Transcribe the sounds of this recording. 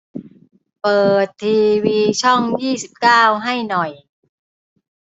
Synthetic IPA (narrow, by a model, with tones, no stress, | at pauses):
pɤː˨˩t̪ʰːiː˧wiː˧t͡ɕʰɔ˥˩ŋjiː˥˩si˨˩p̚kaː˥˩wɦa˥˩jnɔ˨˩j